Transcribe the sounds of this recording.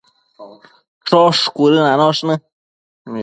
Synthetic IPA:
ʈ͡ʂoʂkʷuɾɨnãnõʂnɨ̃

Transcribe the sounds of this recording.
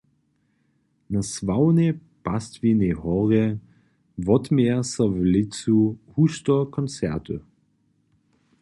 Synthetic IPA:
nasvaʊneb̥astvinehɔʁe | vɔtmeːɐsɐvlɪt͡suhustɔkʰɔnt͡sɛ̰ɐtʰə

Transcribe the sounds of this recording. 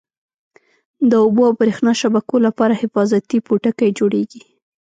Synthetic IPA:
d̪əoboawpəɾexnɑʃabakolapɑɾahɪfɑzat̪ipuʈəkajd͡ʒoɽeɡi

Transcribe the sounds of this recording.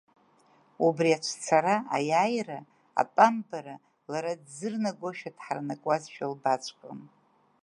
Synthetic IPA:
ubriat͡ʃʷʰt͡sʰaɾaajaːjra | a̰pʼambaɾa | laɾadzɨrnaɡʷoʃᶣadħarnakʷʼazʃᶣalbat͡ʃʷʰʼkʼɨm

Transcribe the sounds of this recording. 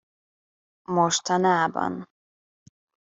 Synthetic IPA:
moʃt̪ɒnaːbɒ̰n

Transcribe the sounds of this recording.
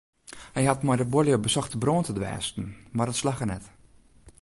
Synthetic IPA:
hɛjɦatmɔjdəboljobəsɔxtəbroːntʰədʋɛ̰ːstn̩mardətslaxərnɛt

